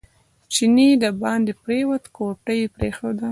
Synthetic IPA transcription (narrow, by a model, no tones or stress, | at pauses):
t͡ʃinid̪əbɑnd̪epɾewat̪koʈəjepɾexod̪a